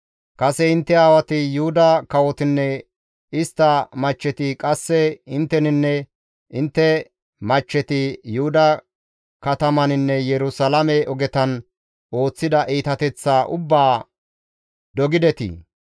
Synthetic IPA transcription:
kʼɐsɛɪnt̪ːɛaːwɐt̪ɪjʊhʊd̪ɐkɐwɔt̪ɪnːɛ | ɪst̪ːɐmɐt͡ʃːɛt̪ɪkʼɐsːɛɪnt̪ːɛnɪnːɛ | ʔɪnt̪ːɛ | mɐt͡ʃːɛt̪ɪjʊhʊd̪ɐ | kɐt̪ɐmɐnɪnːɛjɛɾʊsɐlɐmɛɔɡɛt̪ɐn | ʔo̞ːt͡sːɪd̪ɐʔiːt̪ɐt̪ɛt͡sːaːʔʊbːaː | d̪ɔɡɪd̪ɛt̪ɪ̰

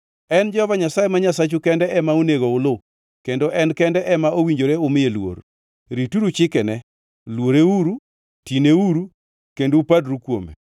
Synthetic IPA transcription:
ɛnd͡ʒɛhɔvaɲasajemaɲasat͡ʃukɛndɛʔɛmaoneɡoʊlʊ | kendoʔɛnkɛndɛʔɛmaowiɲd͡ʒoɾeʊmɪelwo̰ɾ | ɾituɾut͡ʃɪkɛnɛ | lwoɾeuɾu | tineuɾu | kendoːpadɾukwo̰mḛ

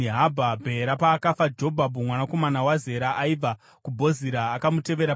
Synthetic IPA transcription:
ɦabʱabʱe̞ɾapaːkafad͡ʒo̞bʱabʱumwanako̞manawaze̞ɾaʔaivʱa | kubʱo̞ziɾaːkamute̞ʋe̞ɾa

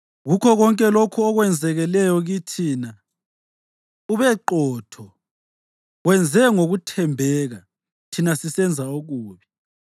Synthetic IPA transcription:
ɣukʰɔɣɔŋkʼɛlokʰuɔɣwɛnd͡zʱɛɣɛlɛjɔɣitʰiːna | uβɛǃɔːtʰɔ | wɛnd͡zʱɛŋoɣutʰɛmbʱɛɣa | tʰinasisɛnd͡zʱaoɣuːβi

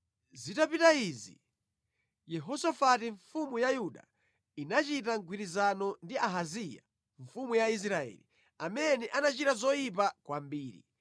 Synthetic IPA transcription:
zitapitaizḭ | jɛɦɔsafatiɱfumujajuɗa̰ | inat͡ʃitaŋɡwiɾizanɔndiaɦazija̰ | ɱfumujais̬ɾaɛ̰lḭ | amɛnɛʔanat͡ʃitazɔjip̬akwambiːɾḭ

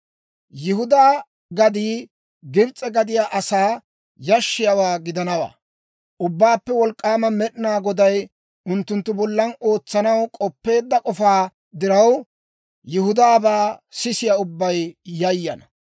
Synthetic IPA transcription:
jɪhʊd̪aː | ɡɐd̪iː | ɡɪbt͡sʼɛɡɐd̪ɪjaːʔɐsaː | jɐʃːɪjɐwaːɡɪd̪ɐnɐwa̰ː | ʔʊbːaːpːɛwɔlkʼːaːmɐmɛɗɪnaːɡɔd̪ɐj | ʊnt̪ːʊnt̪ːʊbɔlːɐno̞ːt͡sːɐnɐwkʼɔpːe̞ːd̪ːɐkʼɔfaː | d̪ɪɾɐw | jɪhʊd̪aːbaːsɪsɪjaʊbːɐjjɐjːɐ̰nɐ

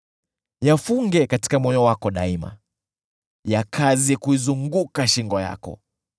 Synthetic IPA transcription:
jafuŋɡɛkati̥kamɔɲɔwakɔɗaima̰ | jakʰaziikuizuŋɡukaʃiŋɡɔja̰kɔ̰

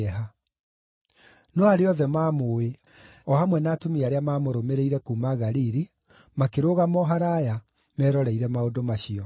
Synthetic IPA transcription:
ɛɦa | nɔaɾeɔðɛmaːmowe | ɔhamwɛnaːtomiaɾeamaːmoɾomeɾeiɾɛkuːmaɣaɾiɾi | makeɾoːɣamɔɦaɾaja | mɛɾɔɾɛiɾɛmaodomaɕiɔ

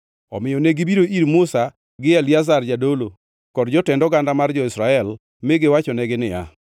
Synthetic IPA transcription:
ɔ̰mɪjɔneɡɪbiɾoʔiɾmʊsa | ɡɪɛljazard͡ʒadolo | kɔdd͡ʒɔtɛndɔɡandamard͡ʒɔɪsɾaɛl | mɪɡɪwat͡ʃɔnɛɡɪnɪja̰

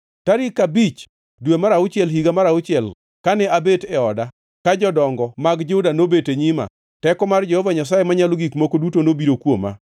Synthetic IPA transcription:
taɾikabit͡ʃ | dwemaɾaʊt͡ʃɪɛlɦiɡamaɾaʊt͡ʃɪɛl | kanɛabetɛɔda | kad͡ʒɔdɔŋɡɔmaɡd͡ʒudanobeteɲima̰ | tɛkɔmard͡ʒehɔvaɲas̬ajemaɲaloɡikmokodutonobiɾokwo̰ma̰

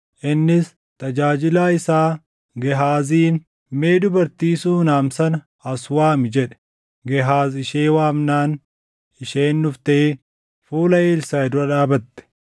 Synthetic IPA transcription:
ʔɪnːɪs | t̪ɐd͡ʒaːd͡ʒɪlaːɪsaː | ɡɛɦaːziːn | meːd̪ʊbɐɾt̪iːsuːnaːmsɐnɐ | ɐswaːmɪd͡ʒɛᶑɛ̥ | ɡɛɦaːzɪʃeːwaːmnaːn | ɪʃeːnːʊft̪ɐe | fuːlɐeːlsɐɛd̪ʊɾɐᶑaːbɐt̪ːɛ̥

